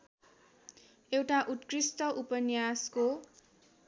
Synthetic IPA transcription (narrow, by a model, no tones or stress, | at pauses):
ewʈaʔut̪krisʈʌʔupʌnjasko